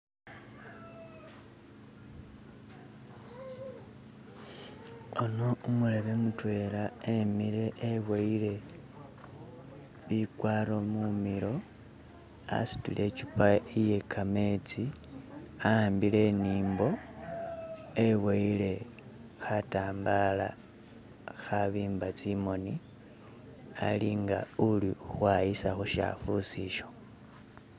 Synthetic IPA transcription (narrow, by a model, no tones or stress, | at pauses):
ono̞umule̞βe̞mutwe̞ːlaemile̞ʔewaile̞ | βikwaːɾo̞mumilo̞ | a̰si̥tṵle̞cipaije̞kʰame̞t͡si | aaːmbile̞niːmbo̞ | eweile̞ | xataːmbala̰ | xaβiːmbat͡simo̞ni | a̰liŋɡa̰ulixwajisaxuʃa̰fusiʃo̞̥